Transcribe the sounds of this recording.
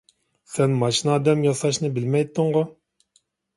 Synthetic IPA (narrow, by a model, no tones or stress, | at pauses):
sɛnmɑʃinɑːd̪ɛmjɑsɑʃnɨbɪlmɛjt̪ʰːɨŋʁʊ